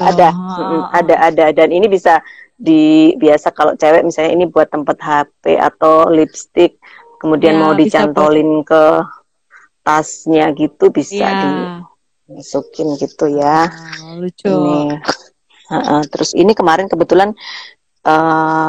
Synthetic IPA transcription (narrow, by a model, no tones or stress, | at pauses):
adam̩ʔm̩adaʔːdadaninibisadibiasakalo̰ʔt͡ʃawɛʔmisalɲainibuat̪ːəmpat̪̚ɦapḛʔa̰t̪awlipst̪ɪk̚ː | əmudianmawdit͡ʃant̪olɪnkə | t̪asɲaɡit̪ubisa̰di | masukɪnɡit̪uja | ni | əʔəht̪əɾʔʊsḭnikəmaɾɪnkəbət̪ulan | ʔə